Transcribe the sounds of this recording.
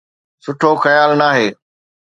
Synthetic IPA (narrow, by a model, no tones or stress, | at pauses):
sʊʈʰoːxəjaːlnaːɦeː